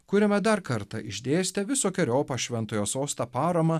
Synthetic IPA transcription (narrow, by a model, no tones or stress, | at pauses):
kʊɾʲɛmʲɛd̪ɐɾkɐɾt̪ɐʔɪʒʲd̪ʲeːsʲt̪ʲɛʋʲɪsoːkʲɛɾʲoːpɐʃʲʋʲɛnt̪oːjoːsoːst̪ɐːpɑːɾɐmɐ